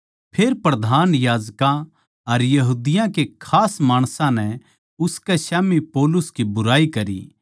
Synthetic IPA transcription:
pʰeːɾpɾɐd̪ʱaːnjaːd͡ʒkã | ɐɾjɐɦuːd̪ɪjãkekʰaːsmaːɽ̃sãnɛ | ʊskɛʃaːmipoːlʊskibʊɾaːikɐɾḭ

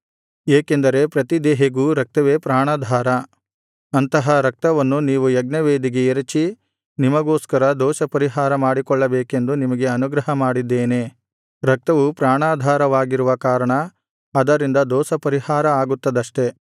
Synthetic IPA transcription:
eːke̞nd̪ɐɾe̞pɾɐt̪id̪ɛːɦeɡuːɾɐk̚t̪ɐʋe̞ːpɾaːɳaːd̪ʱaːɾɐ | ɐnt̪ɐɦɐɾɐk̚t̪ɐʋɐnːuniːʋujɐɡnɐʋeːd̪iɡe̞eɾɐt͡ʃi | nimɐɡoːskɐɾɐd̪ɔːʃɐpɐɾiɦaːɾɐmaːɽikɔɭːɐbeːke̞nd̪unimɐɡe̞ɐnuɡɾɐɦɐmaːɽid̪ːeːne̞ | ɾɐk̚t̪ɐʋupɾaːɳaːd̪ʱaːɾɐʋaːɡiɾuʋɐkaːɾɐɳɐ | ɐd̪ɐɾind̪ɐd̪ɔːsɐpɐɾihaːɾɐaːɡut̪ːɐd̪ɐʂʈe̞

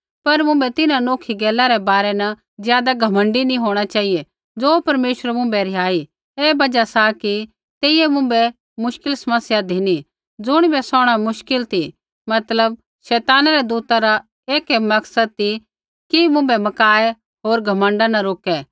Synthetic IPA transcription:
pɐɾmʊ̃mbɛt̪ɪnãnoːkʰiɡɛːlaɾɛbaːɾɛnɐ | zjaːd̪aɡʱɐmə̃ɳɖinĩɦoːɽ̃at͡ʃaːije | d͡zoːpɐɾmeːʃəɾmʊ̃mbɛɾɪjaːi | eːbɐd͡ʒasaki | t̪eːɪɛmʊ̃mbɛ | mʊʃkɪlsɐməsjad̪ʱiñi | d͡zʊɽ̃ibɛsɔːɽ̃amʊʃkɪlt̪ʰi | mɐt̪ləb̚ | ʃɛːt̪aːnaɾɛd̪uːt̪aɾa | eːkɛmɐksəd̪̚t̪i | kimʊ̃mbɛmɐkaːɛ | ɦoːɾɡʱɐmə̃ɳɖanɐɾoːkɛː

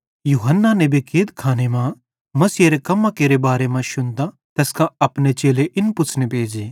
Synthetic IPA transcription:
juːɦənːanebʱikʰeːd̪kʰaːnemã | mɐsiːeɾekɐmːãkeːɾebaːɾemãʃʊnd̪a | t̪ɛːskãɐpnet͡ʃeːleʔɪnpʊsʰnepeːd͡ʒiː

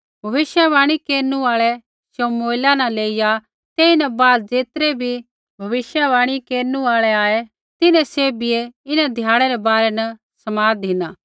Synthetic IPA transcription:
bʱɐʋɪʃjəʋaːɽ̃ikeːɾnuaːɭɛ | somoːɪlanɐleːija | t̪eːinɛbaːd̪d͡zeːt̪ɾɛbʱi | bʱɐʋɪʃjəbaːɽ̃ikeːɾnuaːɭɛaːe | t̪ɪnɛ̃seːbɪeɪnɛd̪ʱjaːɽ̃ɛɾɛbaːɾɛnɐ | sɐmaːd̪ɪnaː

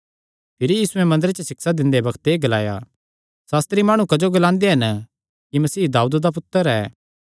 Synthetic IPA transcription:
pʰɪɾijiːsuɛ̃mɐ̃nd̪əɾet͡ʃəsɪksad̪ɪ̃nd̪ebɐkʰt̪eɡɐlaːja̰ | saːst̪ɾimaːɽ̃ukɐd͡ʒoɡɐlãːnd̪eɦɐn | kimɐsiːd̪aːuːd̪d̪ap̬ʊt̪ːəɾɛː

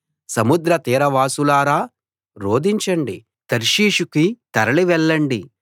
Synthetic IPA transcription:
sɐmud̪ɾɐt̪iːɾɐʋaːsulaːɾaː | ɾo̞ːd̪iɲt͡ʃɐɳɖḭ | t̪ɐɾʃiːʃukit̪ɐɾɐliʋɛɭːɐɳɖi

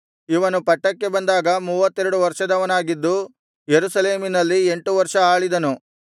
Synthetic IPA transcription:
iʋɐnupɐʈːɐkːe̞bɐnd̪aːɡɐmuːʋɐt̪ːɛɾuɽuʋɐɾʂɐd̪ɐʋɐnaːɡid̪ːu | jeɾusɐle̞ːminɐlːieɳʈuʋɐɾʂɐaːɭid̪ɐnu

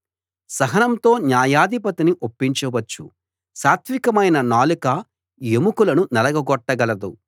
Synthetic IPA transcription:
sɐɦɐnɐmt̪o̞ːɲaːjaːd̪ʱipɐt̪iniʔopːiɲt͡ʃɐʋɐt͡ʃːu | saːɾt̪ʰʋikɐmɐjnɐnaːluka | jemukulɐnunɛlɐɡɐɡɔʈːɐɡɐlɐd̪u

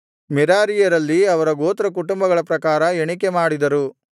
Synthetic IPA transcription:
mɛɾaːɾijɐɾɐlːiɐʋɐɾɐɡoːt̪ɾɐk̬uʈumbɐɡɐɭɐpɾɐkaːɾɐeɳikemaːɽid̪ɐɾu

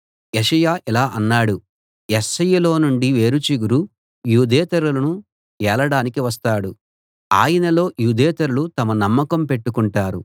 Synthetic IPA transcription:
jeʂɐjaːʔilaːʔɐnːaːɽu | jesːɐjɐlo̞ːnuɳɖiʋe̞ːɾut͡ʃiɡuɾu | juːd̪ɛːt̪ɐɾulɐnu | ɛːlɐɽaːnikiʋɐst̪aːɽu | aːjɐnɐlo̞ːjuːd̪ɛːt̪ɐɾulut̪ɐmɐnɐmːɐkɐmpe̞ʈːukuɳʈaːɾu

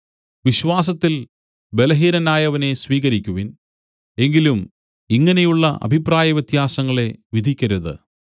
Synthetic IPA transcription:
ʋiɕʋaːs̬ɐt̪ːil | be̞lɐɦiːɾɐnaːjɐʋɐne̞sʋiːɣɐɾikʲːuʋin | e̞ŋɡilum | iŋːɐnejuɭːɐʔɐ̰bʱipraːjɐʋjet̪jaːsɐŋːɐɭe̞ʋid̪ʱikʲːɐɾuðɨ̰

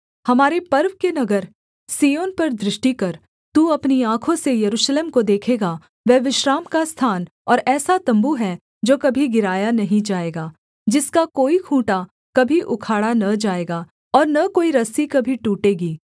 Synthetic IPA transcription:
hɐmaːɾepɐɾʋkenɐɡəɾ | siːjoːnpɐɾd̪ɾɪʃʈikɐɾ | t̪uɐpniãːkʰõsejɐɾuːʃleːmkod̪eːkʰeːɡa | ʋɛːʋɪʃɾaːmkast̪ʰaːn | ɔːɾɛːsat̪ɐ̃mbuɦɛ | d͡ʒoːkɐbʱiɡɪɾaːjanɐɦĩd͡ʒaːeːɡaː | d͡ʒɪskakoːikʰũːʈa | kɐbʱiʔʊkʰaːɽanɐd͡ʒaːeːɡaː | ɔːɾnɐkoːiɾɐsikɐbʱiʈuːʈeːɡiː

